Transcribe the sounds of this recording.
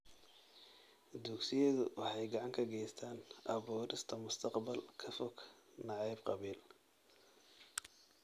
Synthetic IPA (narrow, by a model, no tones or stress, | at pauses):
d̪uksɪjɐðʊwɑħɑjɡɑʕɑŋkʰɐɡɛjst̪ʰaːnʔɐβuːɾɪst̪ʰɐmʊst̪ʰɑqbɐlkʰɐfɔɡ | nɑʕɑjb̚qɑβiːl